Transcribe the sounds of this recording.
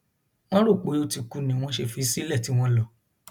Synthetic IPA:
w̃ɔ̃˦ɾo˦˨k͡pe˨˦o˧ti˧ku˧˨nĩ˨˦w̃ɔ̃˧˦ʃe˧fi˨˦si˦lɛ˦˨ti˨˦w̃ɔ̃˦lɔ˧˨

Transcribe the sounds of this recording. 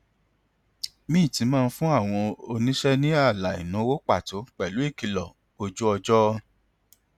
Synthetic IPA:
mĩː˦˨tĩ˨˧˦mãː˦˧n̩˦fũ˦a˦˨w̃ɔ̃˧o˧nĩ˦ʃɛ˦nĩ˦a˦˨la˨ḭ˨nũ˨˦wo˦k͡pa˦˨to˨˦k͡pɛ˨lu˨˦i˦˨ki˧lɔ˨ | o˧d͡ʒu˦ɔ˧d͡ʒɔ˦

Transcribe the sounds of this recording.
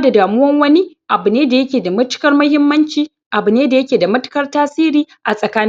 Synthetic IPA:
da˨daː˨mʊ˦wɐ˦ŋwɐ˦ni˦ʔa˨bʊ˨neː˦da˨jɐ˦kʲeː˨da˨mʊ˦tʊ̥˦kɐ˦rmɐ˦hɪ˦mːɐ˦nt͡ʃiː˦ | ʔa˨bʊ˨neː˦da˨jɐ˦kʲeː˨da˨mʊ˦tɪ̥˦kɐ˦rtaː˦siː˦ɾiː˦ʔa˨sʼɐ˨kaː˦n˦

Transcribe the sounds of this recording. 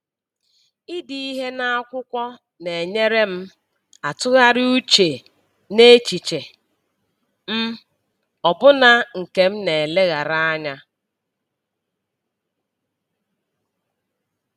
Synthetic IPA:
i˦di˨i˦ɦe˦na˦a˦kʷʊ˦kʷɔ˦ | ne˨ɲe˦ɾe˦m̩˦ | a˨tʊ˦ɣa˦ɾɪ˦u˦t͡ʃe˨ | ne˦t͡ʃi˨t͡ʃe˨ | m̩˦ | ɔ˨bʊ˦na˦ŋ̩˨ke˨m̩˦ne˨le˦ɣa˨ɾa˦a˦ɲa˦

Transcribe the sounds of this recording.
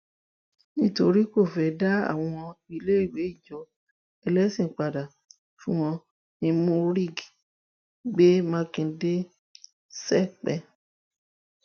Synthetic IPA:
nĩ˦to˧ɾi˦ko˦˨fɛ˨˦da˦a̰˦˨w̃ɔ̃ɔ̃˧ɔ̃˧i˧le˦i˦˨we˨˦i˦˨d͡ʒɔ˨˦ | ɛ˧lɛ˦sĩ˨k͡pa˨da˨ | fũ˦w̃ɔ̃˧ | nĩ˧mũ˦ɾi˦˨ɡi˨ | ɡ͡be˦mã˦kĩ˧˦de˦ | sɛ˦˨k͡pɛ˧˨

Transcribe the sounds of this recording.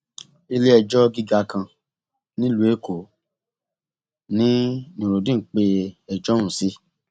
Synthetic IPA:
i˧le˦ɛ˧d͡ʒɔ˦ɡi˦˧ɡa˧kã˧ | nĩ˦lu˦e˦ko˨ | nĩ˦nĩ˨ɾo˨dĩ˦˨k͡pe˧ɛ˧d͡ʒɔ̃˦ũ˦˨si˦

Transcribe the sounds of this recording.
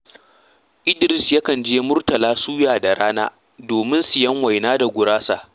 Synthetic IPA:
ʔɪ˦dɾɪ˨sjɐ˦kɐ˨nd͡ʒeː˦mʊ˦rtɐ˨laː˦suː˦jaː˨da˨ɾaː˦na̰ː˦ | doː˨mɪ˦nsɪ˨jɐ˦ŋwa˨jnaː˦da˨ɡʷʊ˨ɾaː˦sa̰˦˨ʔ

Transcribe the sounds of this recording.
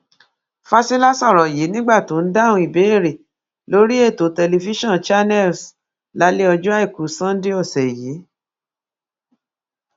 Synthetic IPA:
fa˦si˦la˦sɔ˦˨ɾɔ˨je˨˦nĩ˦ɡ͡ba˦˨to˨˦n̩˦da˦˨wũ˧i˨be˨˦e˦˨ɾe˨ | lo˦ɾi˦e˦˨to˨˦tɛ˧le˧fi˦ʃɔ̃˦˨nt͡ʃa˦nɛ˦˨ls | la˨˦le˦ɔ˧d͡ʒu˦a˦i˦˨ku˨˦sã˦n̩˦de˦ɔ˦˨sɛ˨ji˨˦

